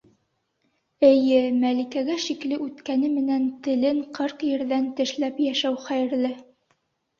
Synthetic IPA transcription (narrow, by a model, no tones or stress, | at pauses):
ɘ̆jɘmælikæɡæʃiklɘʔʉt̪kænɘmɘ̆nænt̪ɘ̆lɘɴqɤɾqjɘ̆ɾðænt̪ɘ̆ʃlæpjæʃæwχæjɘ̆ɾlɘ